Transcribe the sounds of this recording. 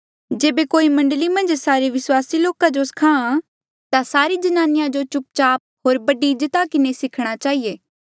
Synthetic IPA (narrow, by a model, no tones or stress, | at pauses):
d͡ʒeːbekoːimɐ̃ɳɖəlimɐ̃nd͡ʒsaːɾeʋɪswaːsiloːkad͡ʒoskʰãːã | t̪asaːɾid͡ʒɐnaːnɪjãd͡ʒot͡ʃʊp̚t͡ʃaːp̚ɦoːɾbɐɖid͡ʒət̪akɪnesɪkʰɽ̃at͡ʃaːɦieː